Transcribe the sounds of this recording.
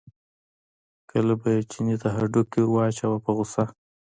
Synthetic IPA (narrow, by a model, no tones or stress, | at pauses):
kʰəlabajet͡ʃinit̪aɦaɖʊkːewat͡ʃawapəɣʊsa